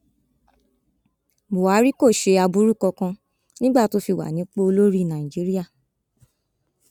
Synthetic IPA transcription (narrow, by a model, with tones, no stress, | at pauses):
bo˨a˨˦ɾi˦ko˦˨ʃe˧a˧bu˦ɾu˦˨kɔ˧kã˧ | nĩ˦ɡ͡ba˦˨to˦fi˧˨wa̰˨nĩ˨˦k͡po˦o˧lo˦ɾi˦˨nã˨ĩ˨d͡ʒi˨˦ɾi˦a˦˨